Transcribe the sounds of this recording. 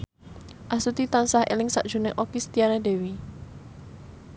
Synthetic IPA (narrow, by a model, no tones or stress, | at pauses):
ʔasut̪it̪ansahḛlɪŋsa̰ʔd̥ʒ̥ṳneʔokist̪ianede̤wi